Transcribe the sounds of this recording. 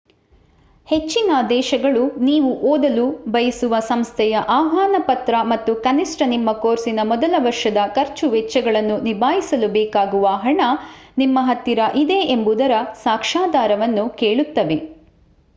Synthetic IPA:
het͡ʃːinɐd̪ɛːʃɐɡɐɭuniːʋuʔoːd̪ɐlubɐjɐsuʋɐsɐmst̪ʰɛjɐʔaːɦaːnɐpɐt̪ɾɐmɐt̪ːukɐnisʈɐnimːɐkoːɾsinɐmɔd̪ɐlɐʋɐɾʂɐd̪ɐkɐɾt͡ʃuʋɛt͡ʃːɐɡɐɭɐnːunibʱaːjisɐlubɛːkaːɡuʋɐɦɐɳɐnimːɐɦɐt̪ːiɾɐʔid̪e̞embud̪ɐɾɐsaːkʂaːd̪aːɾɐʋɐnːukeːɭut̪ːɐʋe̞

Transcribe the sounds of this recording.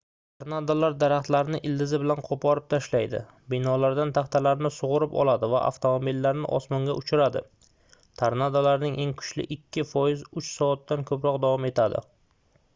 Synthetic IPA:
t̪ʰaɾnad̪alaɾd̪aɾaχt̪laɾnɪʔɪld̪ɪzɪbɪlanqʰopʰɒɾɪp̚t̪ʰaʃlajd̪ɪ̰ | bɪnɒlaɾd̪ant̪ʰaχt̪ʰalaɾnɪsʊʁʊɾɪpɒ̰lˠad̪ɪva̰ʔa̰ft̪ʰomobilːaɾnɪʔɒ̰smɒŋɡʲaʔʊt͡ʃʰʊɾad̪ɪ̰ | t̪ʰaɾnad̪alaɾnɪŋʔe̞ŋkʰʊ̥t͡ʃlɪ̰ʔɪkʲʰːɪfɒjɪzʊt͡ʃsɒat̪ːankʰɵpɾɒqd̪avɒme̞t̪ʰad̪ɪ̰

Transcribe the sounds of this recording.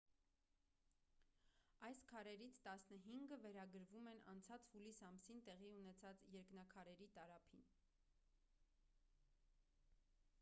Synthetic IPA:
ɑjskʰɑɾɛɾit͡sʰt̪ɑsnəɦiŋɡəvɛɾɑɡəɾvumɛnɑ̰nt͡sʰɑt͡shulisɑmsint̪ɛʁiunɛt͡sʰɑt͡sjɛɾknɑkʰɑɾɛɾit̪ɑɾɑpʰin

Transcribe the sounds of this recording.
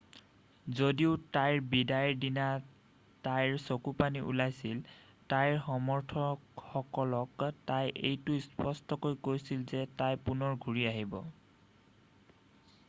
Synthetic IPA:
zodiʊtajɹbidajɹdina | tajɹsokupaniʔṵlajsil | tajɹxɔmɔɹtʰɔxɔkɔlɔktajʔejtʊspɔstɔkojkojsilzɛtajpunɔɹɡʱuɹiaɦibɔ

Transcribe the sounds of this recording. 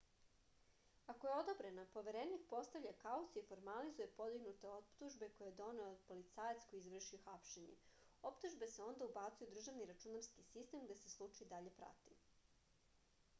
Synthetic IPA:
ako̞je̞od̪obɾe̞napo̞ʋe̞ɾenikpo̞st̪aʋʎʲakausiefo̞ɾmalizuje̞po̞d̪iɡnut̪eot̪uʒbe̞ko̞jeed̪o̞neod̪po̞lit̪saːjat̪sko̞jiizʋr̩ʃioxapʃe̞ɲḛ | o̞pt̪uʒbe̞seo̞nd̪aubaːt̪sijud̪r̩ʒaʋniɾat͡ʃunaɾskisist̪e̞mɡd̪aseslˠut͡ʃaid̪aʎe̞pɾa̰t̪i

